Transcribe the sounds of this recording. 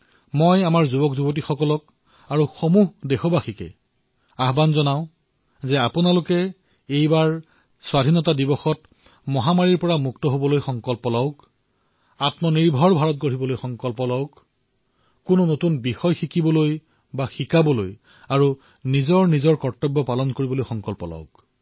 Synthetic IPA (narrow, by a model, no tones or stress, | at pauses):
mojamaɹzubɔkzubot̬ixɔkɔlɔk̚ | aɹuxomuɦdexɔbaxikɛ̰ | aɦbanzɔnaʊ | zɛapʊnalʊkɛ | ejbaɹ | swadʱinɔtadibɔxɔt̚ | mɔɦamaɹiɹpɔɹamuktɔɦobɔlojxɔŋkɔlpɔlɔwk | atmɔniɹbʱɔɹbʱaɹɔt̚ɡoɹibɔlojxɔŋkɔlpɔlɔʊkː | ʊnonotunbixɔjxikibɔloj | baxikabɔloj | aɹu | nizɔɹnizɔɹkɔɹtɔbːɔpalɔnkoɹibɔlojxɔŋkɔlpɔlɔ̰ʊk